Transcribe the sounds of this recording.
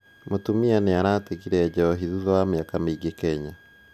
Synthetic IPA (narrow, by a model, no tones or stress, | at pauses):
motumianeaɾateɣiɾɛɟɛɾɔɦiðuðɔwameakameiɡekɛɲa